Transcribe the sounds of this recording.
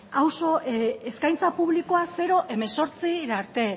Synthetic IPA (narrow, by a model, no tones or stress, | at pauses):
awso̞eskajnt͡sapuβ̞liko̞ase̞ɾo̞ʔe̞me̞so̞ɾt͡siɾaɾt̪e̞